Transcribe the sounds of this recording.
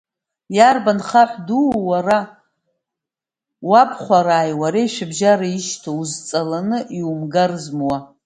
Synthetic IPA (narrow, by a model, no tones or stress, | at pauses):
jarbanχaħʷduwara | wapʰχʷaɾaːjwaɾejʃʷᶣɪbʒaɾaiʃtʰozt͡sʼalanɨʔiwumɡarzmwa